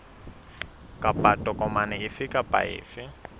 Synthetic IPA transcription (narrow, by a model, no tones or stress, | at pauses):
kʼapʼatʼɔkʼɔmanɛɪfɪkʼapa̰ɪ̰ːfɪ